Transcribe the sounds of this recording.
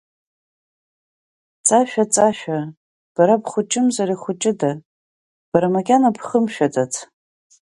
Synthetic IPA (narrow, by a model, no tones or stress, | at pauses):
t͡sʼaʃᶣat͡sʼaʃᶣa | b̥aɾabʰχʷʊt͡ʃʼɪmzariχʷʊt͡ʃʼɪda | b̥aɾamaɡʲʼanapʰχəmʃᶣatʼatʰ